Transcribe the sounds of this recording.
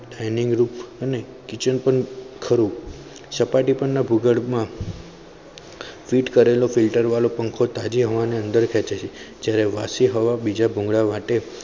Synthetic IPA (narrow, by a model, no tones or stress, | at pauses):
ɖajnɪŋɡɾupəne | kɪt͡ʃənpəɳkʰəɾu | səpaʈipəɳnabʱuɡəɭmã | fiʈkəɾelofilʈəɾʋalopəŋkʰot̪ad͡ʒiɦəʋaneə̃nd̪əɾkʰɛt͡ʃet͡ʃʰed͡ʒjaɾeʋasiɦəʋabid͡ʒabʱũŋɡɭamaʈe